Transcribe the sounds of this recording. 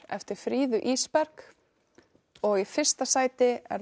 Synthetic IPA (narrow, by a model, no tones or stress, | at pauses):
ɛ̰ft̪ɪɾ̥fɾiːðʏʔiːspɛɾk | ɔɣifɪr̥st̪asaːjt̪ɪɛ̰ɾ